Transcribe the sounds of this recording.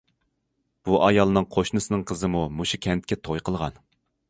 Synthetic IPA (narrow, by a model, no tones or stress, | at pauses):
b̥uʔɑjɑlˠnɨŋqʰoʃnɨsɨnɨŋqʰəzɨmumuʃukʲʰɛnt̪kʲɛt̪ʰojqʰəlˠʁɑ̰n